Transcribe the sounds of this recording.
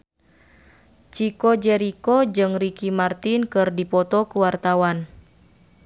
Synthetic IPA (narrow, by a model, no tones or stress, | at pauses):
t͡ʃikɔd͡ʒɛɾikɔd͡ʒɨŋrikimart̪inkɨrdipɔt̪ɔkuwart̪awan